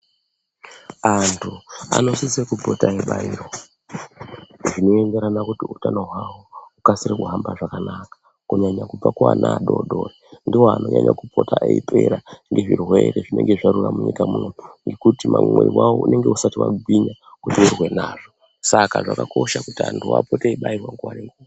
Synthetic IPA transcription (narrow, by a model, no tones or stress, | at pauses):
antʰua̰no̞sisekubʱotaeɓaiːɾo | ʐino̞ende̞ɾanakutiutanoɦwawoukasiɾekuɦambaʐakanakḁ | kuɲaɲakub͡vakwa̰naɗoɗorendiwoano̞ɲaɲakupotaʔeipʰe̞ɾaŋɡeʐirwe̞ɾe̞ʐine̞ŋɡeʐaɾuramuɲikamunoŋɡekutimamweriwawoune̞ŋɡe̞usatiwa̰ɡwiɲakutiurwe̞naːʐo | sakaʐakako̞ʃakutia̰ntʰuwa̰poteiɓairwaŋɡuwaɾea